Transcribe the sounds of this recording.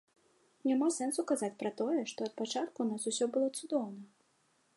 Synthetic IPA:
nʲamasɛnsukazat͡sʲpɾɐt̪ɔjɛʂt̪ɔɐt̪̚pat͡ʂat̪kunasusʲɔbɨlˠɔt̪sud̪ɔwnɐ

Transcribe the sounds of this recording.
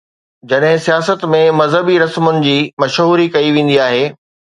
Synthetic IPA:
d͡ʑɐɗɦɪ̃sijaːsət̪mẽmɐzɦəbiɾɐsmʊnɪ̆d͡ʑiːmɐʃɦuːɾikɐiʋẽːn̆d̪iaːɦeː

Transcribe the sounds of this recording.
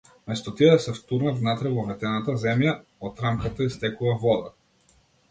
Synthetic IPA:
mɛst̪ɔt̪iɛd̪sɛft̪uɾnat̪vnat̪ɾɛvɔvɛt̪ɛnat̪azɛmjaot̪ɾamkat̪aist̪ɛkuvavɔd̪a

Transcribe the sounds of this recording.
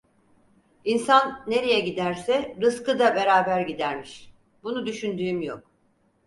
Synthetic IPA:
insanːe̞ɾe̞jɛɟid̪æɾsɛɾɯskɯd̪abe̞ɾaːbæɾɟid̪æɾmiʃ | bunud̪yʃynd̪yːmjok̚

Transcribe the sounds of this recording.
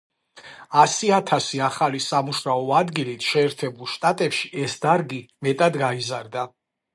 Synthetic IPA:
asiat̪ʰasiaχalisamuʃɾaɔad̪ɡilit̪ʰʃɛːɾt̪ʰɛbulˠʃt̪ʼat̪ʼɛpʃiʔɛsd̪aɾɡimɛt̪ʼad̪ɡaizaɾd̪a

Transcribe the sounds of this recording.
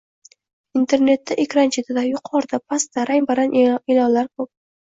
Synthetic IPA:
int̪ʰe̞ɾne̞t̪ːaʔekʲɾant͡ʃʰe̞t̪ʰɪd̪ajʊqʰɒɾd̪apʰast̪aɾajbaɾanelɒnlaɾkʰop̚

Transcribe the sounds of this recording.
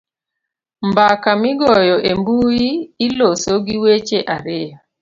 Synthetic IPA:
mbakamɪɡɔjɔʔembujiːlosoɡiwet͡ʃeʔaɾɪa

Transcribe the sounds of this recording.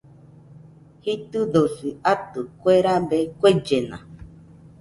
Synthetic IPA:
hit̪ɨd̪osiat̪ukʷeɾabekʷed͡ʒenã̰

